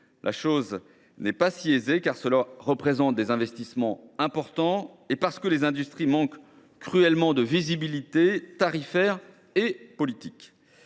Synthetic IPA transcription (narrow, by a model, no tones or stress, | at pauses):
lʔa̰ʃoz | nɛpasiezekaʁsəlaʁəpχezɑ̃t̪̚d̪ezɛ̃vɛst̪ismɑ̃ɛ̃pɔʁt̪ɑ̃ | epaʁsə̥kəlezɛ̃d̪yst̪χimɑ̃kː | χyɛlmɑ̃d̪əvizibilit̪et̪aʁifɛʁ | epɔlit̪ik